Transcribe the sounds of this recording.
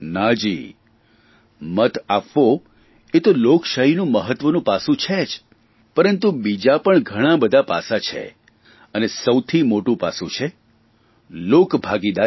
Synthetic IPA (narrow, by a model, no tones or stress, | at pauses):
nad͡ʒḭ | mət̪apʋo | et̪olokʃaɦinũməɦət̪ʋənũpasũt͡ʃʰed͡ʒ | pəɾənt̪ubid͡ʒapəɳɡʱəɽ̃ãbəd̪ʱapa̰sat͡ʃʰḛ | ənesəwt̪ʰimoʈũpa̰sũt͡ʃʰe | lokbʱaɡid̪a